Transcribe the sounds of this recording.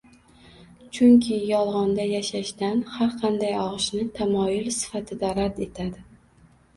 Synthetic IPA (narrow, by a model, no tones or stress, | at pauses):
t͡ʃʰʊŋkʲʰɪjɒlˠʁɒnd̪ajaʃaʃd̪anhaɾqʰɑnd̪ajɒʁɨʃnɪt̪ʰamɒjʊlsɪ̥fat̪ʰɪd̪aɾad̪e̞t̪ʰad̪ɪ